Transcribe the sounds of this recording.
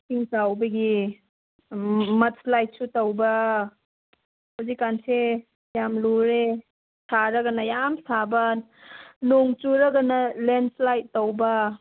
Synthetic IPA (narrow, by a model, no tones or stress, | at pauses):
siŋtawbɐɡi | mɐt̚slajt̚sutɐwbɐ | hawzikːanse | jamluɾe | sʰaɾɐɡɐnɐjamsabɐn | noŋt͡ʃuɾɐɡɐnɐlenslajtːɐwbɐ